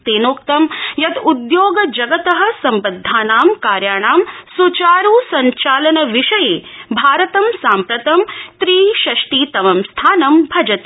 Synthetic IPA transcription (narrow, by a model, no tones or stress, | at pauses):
t̪eːnoːkt̪ɐmjɐt̪ud̪joːɡɐd͡ʒɐɡɐt̪ɐɦɐ̆sɐmbɐd̪ʱːaːnaːmkaːɾjaːɳaːmsut͡ʃaːɾuːsɐɲt͡ʃaːlɐnɐʋiʂɐjeːbʱaːɾɐt̪ɐmsaːmpɾɐt̪ɐmt̪ɾiːʃɐʂʈiːt̪ɐʋɐmst̪ʰaːnɐmbʱɐd͡ʒɐt̪e̥ː